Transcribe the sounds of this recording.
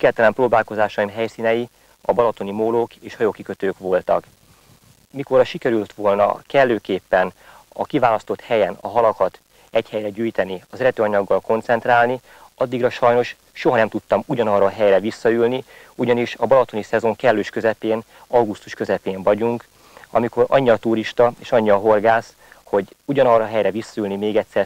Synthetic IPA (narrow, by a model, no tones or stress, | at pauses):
kɛlt̪ɛlɛmproːbaːlko̞zaːʃɒjimɦɛjsiːnɛji | ɒbɒlɒt̪o̞nimoːloːkeːʃhɒjoːkikøt̪øːkʋo̞lt̪ɒ̰k | miko̞rɒʃikɛɾylt̪ʋo̞lnɒ̰kɛlːøːkeːpːɛn | ɒ̰kivaːlɒst̪o̞t̪hɛjɛnɒ̰ɦɒlɒkɒt̪ | ɛchɛjrɛɟyːjt̪ɛniɒzɛɾɛt̪øːɒɲɒɡːɒlko̞nt̪sɛnt̪raːlni | ɒd̪ːiɡrɒʃɒjno̞ʃ | ʃo̞ɦɒnɛmt̪ut̪ːɒmuɟɒnɒrːɒɦɛjrɛvisːɒylni | uɟɒniʃɒbɒlɒt̪o̞nisɛzo̞ŋkɛlːøːʃkøzɛpeːn | ɒwɡust̪uʃkøzɛpeːɱvɒɟuŋk | ɒ̰miko̞ɾɒ̰ɲːiɒt̪uɾiʃt̪ɒeːʃɒɲːiɒɦorɡaːs | ho̞ɟuɟɒnɒrɒɦɛjrɛvisːɒylnimeːɡɛt̪sɛr